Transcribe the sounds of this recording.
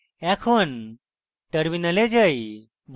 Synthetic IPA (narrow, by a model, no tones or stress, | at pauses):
ɛkʰon | ʈəɾminəled͡ʒəj | b